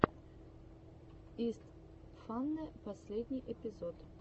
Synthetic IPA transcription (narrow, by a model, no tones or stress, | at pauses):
ist̪ | fanːəpɔsʲlʲɛd̪ʲnʲiʔɛpʲizɔt̪